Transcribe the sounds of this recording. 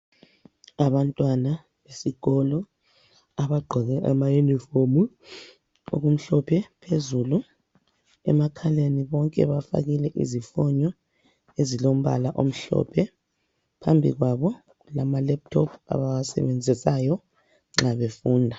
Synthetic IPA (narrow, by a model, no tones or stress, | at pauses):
aβantʼwana | βesiɣɔlɔ | aβaɡ͡ǃʱɔɣɛʔamajunifomu | o̰ɣum̩ɬɔpʰɛpʰezulu | ɛ̰makʰaleniβɔŋkʼɛ̰βafa̰ɣilɛʔḭzifɔɲɔ | ezilom̩βa̰laʔom̩ɬɔ̰pʰɛ | pʰambʱḭɣwaβɔ | lamalɛp̚tʰɔpʰa̰βawasɛ̰βɛnd͡zʱisajɔ | ŋ͡ǁaβefuːndʱa